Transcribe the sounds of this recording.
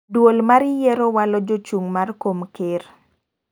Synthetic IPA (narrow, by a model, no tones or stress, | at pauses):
dwolmaɾɪjɛɾowalɔd͡ʒot͡ʃuŋmarkomkɪr